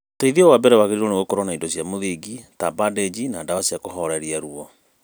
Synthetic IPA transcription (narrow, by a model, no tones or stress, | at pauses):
teiðiɔwabɛɾɛwaɣeɾiɾɔneɣokoɾɔnaindɔsjamoðiɡitabadɛd͡ʑinaːdawasiakoɦɔɾɛɾiaɾuɔ